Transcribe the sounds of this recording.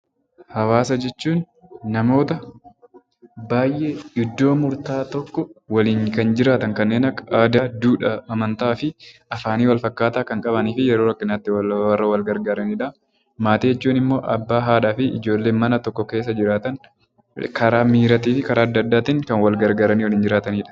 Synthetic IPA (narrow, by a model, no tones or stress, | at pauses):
hɐwaːsɐd͡ʒɛt͡ʃːuːnː | ɐmo̞ːt̪ɐ | baːjʔeʔɪd̪ːo̞ːmʊɾt̪aːt̪ɔkːɔwɐliːnkɐnd͡ʒɪɾaːt̪ɐŋkɐnːeːnɐad̪aːd̪uːᶑɐɐmɐnt̪aːfɪʔɐfaːniːwɐlfɐkːaːt̪aːkɐŋkʼɐβɐniːfɪjɛɾoːɾɐkːɪnɐt̪ːɪwɐrːɐwɐlɡɐɾɡaːɾɐniːᶑɐ | maːt̪iːjɛt͡ʃːuːnɪmːo̞ːʔɐbːaːɦaːᶑaːfɪʔɪd͡ʒo̞ːlːe̞ːmɐnɐt̪ɔkːɔke̞ːs̬ːɐd͡ʒɪɾaːt̪ɐŋ | kɐɾaːmiːɾɐt̪iːfɪkɐɾaːɐd̪ːɐd̪ːaːt̪ɪŋkɐnwɐlɡɐɾɡaːɾɐniːwɐliːnd͡ʒɪɾaːt̪ɐniːᶑɐ̥